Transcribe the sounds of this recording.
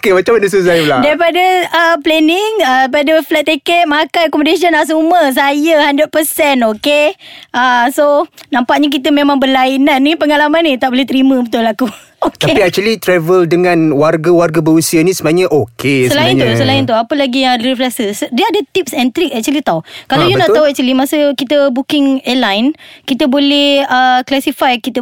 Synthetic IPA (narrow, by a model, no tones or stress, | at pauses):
okemat͡ʃamandəs̬uzajladaɾipadəəplɛnɪŋəapadəflɛt̪̚ːekɛʔ̪̚makajkɔmədes̬ənas̬uməs̬ajəhandət̪̚pəsɛnokeəsonãmpaʔɲak̬it̪əmemãŋbərlainanːipəŋalamanĩt̪aʔ̚boleht̪əɾimə̃bət̪ʊlaku | okt̪aepiak̚t͡ʃuəlit̪ɾɛvəldəŋãnwarɡawarɡabəɾusianisəbaaɲəʔokʰessəlaɪnusəlaɪnt̪uapəlaɡijaŋlɾifɾasəsdəadət̪ip̚sɛ̃nt̪ɾik̚ɛk̚t͡ʃuəlit̪awkalawjunaaɦuɛk̚t͡ʃwəlimasəkit̪əbukɪŋəlajnkit̪əbolɛhəklasifajkit̪ə